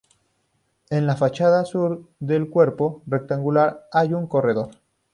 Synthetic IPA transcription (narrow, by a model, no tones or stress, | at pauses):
e̞nlafat͡ʃaðasuɾðe̞lkwe̞ɾpo̞re̞k̚t̪aŋɡulaɾajuŋko̞re̞ðo̞ɾ